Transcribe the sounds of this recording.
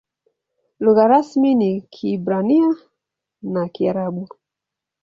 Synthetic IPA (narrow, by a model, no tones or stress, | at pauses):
luɣaɾasminikʰibɾania | nakiaɾaɓu